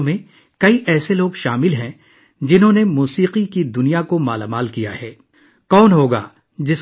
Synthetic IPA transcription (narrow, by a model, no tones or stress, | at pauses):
mẽ | kɐiʔɛːseloːɡʃaːmɪlɦɛ̃ | d͡ʒɪnɦõnemuːsiːqikid̪ʊnijakoma̰ːlamaːlkija̰ɦɛː | kɔːnɦoːɡa̰ː | d͡ʒɪs